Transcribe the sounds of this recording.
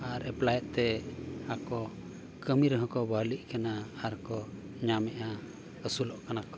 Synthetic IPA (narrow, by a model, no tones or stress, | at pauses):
aɾɛplajɛt̪̚ˀt̪ɛakɔ | kəmiɾɦɔ̃kɔbaliʔ̚kanaːɾkɔ | ɲamɛʔa | əsulɔʔkanakɔ